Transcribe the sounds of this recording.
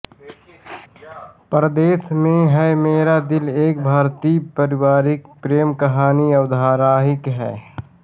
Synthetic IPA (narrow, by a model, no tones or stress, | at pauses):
pɾəd̪eːsmẽɦɛmeːɾad̪ɪleːk̚bʱaːɾt̪iːpəɾɪwaːɾɪkpɾeːmkɐɦaːniɐwd̪ʱaːɾaːɦɪkɦɛ̰ː